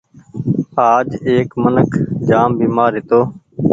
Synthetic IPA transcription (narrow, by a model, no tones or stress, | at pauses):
aːd͡ʒeːkmənəkʰd͡ʒaːmbiːmaːɾɪt̪oː